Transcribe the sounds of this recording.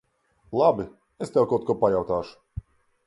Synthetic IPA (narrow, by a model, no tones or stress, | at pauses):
lˠabi | est̪ɛwˠkɔt̪kɔpajawt̪aːʃʊ̥